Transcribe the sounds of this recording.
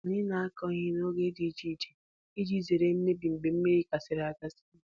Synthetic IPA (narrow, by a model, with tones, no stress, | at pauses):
ni˦na˨a˦kɔ˦ɲi˦no˦ɡe˦di˨˦d͡ʒi˦˨d͡ʒe˨ | i˦d͡ʒi˦˨ze˨ɾe˨˦n̩˦ne˦bi˨m̩˨ɡ͡be˨m̩˦me˦ɾi˦ka˨sɪ˨ɾa˨ka˦sɪ̥˦